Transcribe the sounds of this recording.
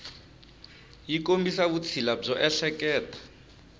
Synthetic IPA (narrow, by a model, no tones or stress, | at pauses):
jikombisaβut͡sʰilab͡ʐɔʔɛɬɛkɛːtʰḁ